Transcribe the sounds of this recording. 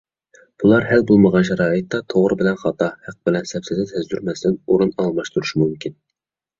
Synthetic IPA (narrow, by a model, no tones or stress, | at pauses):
b̥ulˠɑɾhɛlbolˠməʁɑnʃɛɾɑːjɨt̪ːɑt̪ʰoʁɾɨbɪlɛnχɑt̪ʰɑhæq̚bɪlɛnsɛpsɪd̪ɛt̪ʰæzd̪yɾmɛsd̪ɪnoɾunɑlˠmɑʃt̪uɾuʃmumkʲʰin